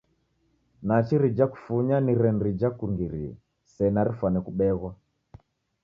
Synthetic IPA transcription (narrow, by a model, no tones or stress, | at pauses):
nat͡ʃiɾid͡ʒaku̥fuɲaniɾɛnɾid͡ʒakuŋɡiɾiɛ̰ | sɛnaɾifanɛkuɓɛɣwa